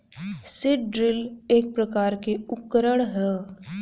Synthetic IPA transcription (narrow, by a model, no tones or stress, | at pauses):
sɪʈɖɾɪleːk̚pɾɐkaːɾkeʊkːɾəɽ̃ɦɛ